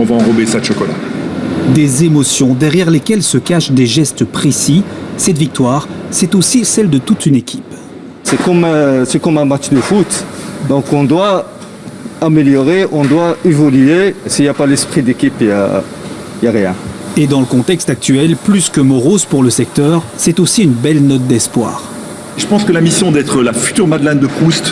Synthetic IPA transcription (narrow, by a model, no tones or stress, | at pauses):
ɔ̃vaɑ̃ʁɔbesad̪ʃɔkɔla̰ | d̪ezemɔsjɔ̃d̪ɛʁjɛʁlekʲɛlsəkaʃd̪eʒɛst̪pχesisɛt̪vik̚t̪waʁsɛt̪osisɛld̪ət̪ut̪ynekʲi̥p | sɛkɔmsɛkɔmɛ̃mat̪t͡ʃd̪əfut̪d̪ɔ̃kɔ̃d̪wa | ameljɔʁeʔɔ̃d̪waevɔlyesiljapalɛspχid̪ekʲipja̰ | jaʁjɛ̃ed̪ɑ̃ləkɔ̃t̪ɛkst̪ak̚t̪ɥɛlplyskəmɔʁozpuʁləsɛk̚t̪œʁsɛt̪osiynbɛlnɔt̪̚d̪ɛspwa̰ːʁ | ʒəpɑ̃skəlamisjɔ̃d̪ɛt̪χəlafy̥t̪yʁmad̪lɛ̃nd̪əpχust̪